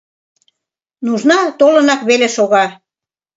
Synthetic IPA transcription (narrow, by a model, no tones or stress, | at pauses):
nuʒnɑt̪olə̆nɑkβeleʃoɣɑ